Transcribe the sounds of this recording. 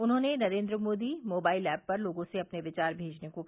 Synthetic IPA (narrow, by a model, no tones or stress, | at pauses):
ʊnɦõːnenɐɾẽːnd̪ɾəmoːd̪imoːbaːɪlɛːb̚pɐɾloːɡõseɐpneʋɪt͡ʃaːɾbʱeːd͡ʒnekok